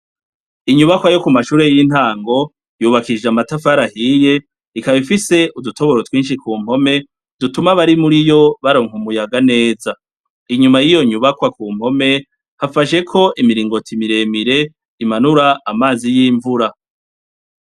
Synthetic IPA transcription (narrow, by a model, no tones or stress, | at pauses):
iɲuβakwajo̞kumaʃuːɾe̞jin̥haːŋɡo̞ | juːβakid͡ʒeamatafaɾahije̞ | ikaβifise̞ʔudutʰo̞βo̞ɾotwiːnʃikuːm̥ho̞me̞ | d̥utumaβaɾimuɾijo̞βaɾo̞ːŋumujaɡane̞ːza | iɲumajijo̞ɲuβakwakuːm̥ho̞me̞ | hafaʃe̞kʰo̞ʔimiɾiːŋɡo̞tʰimiɾe̞miɾe̞ | imanuɾaːmaːzijiːɱvuɾa